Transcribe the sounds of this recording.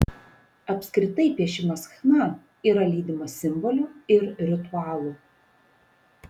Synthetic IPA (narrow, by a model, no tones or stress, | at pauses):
ɐpʲsʲkɾʲɪt̪ɐɪpʲiɛʃʲɪmɐsxnɐ | iːɾɐlʲiːd̪ʲɪmɐsʲɪmbɔlʲuːˑɪɾɾʲɪt̪ʊɑːlˠu